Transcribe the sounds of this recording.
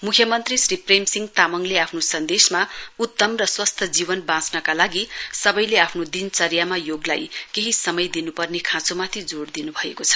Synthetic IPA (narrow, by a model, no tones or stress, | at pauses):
mukʰjʌmʌnt̪risripremsiŋɡt̪amʌŋleapʰnosʌnd̪esmaut̪ːʌmrʌswʌst̪ʰʌd͡zibʌnbãt͡snʌkalaɡisʌbʌjleapʰnod̪int͡sʌrjamajoɡla̰jkeɦisʌmʌjd̪inupʌrnekʰãt͡somat̪ʰid͡zoɽd̪inubʱʌekot͡sʰʌ̥